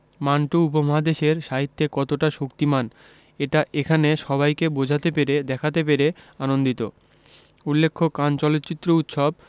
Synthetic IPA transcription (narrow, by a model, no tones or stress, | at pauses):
manʈuupomaɦad̪eʃeɾʃaɦit̪ːekɔt̪oʈaʃokt̪iman | eʈaʔekʰaneʃɔbajkebod͡ʑʱat̪epeɾed̪ɛkʰat̪ep̬eɾeanond̪it̪o̰ | ulːekʰːokant͡ɕɔlot̪ːt͡ɕit̪ːɾout̪ʃob̚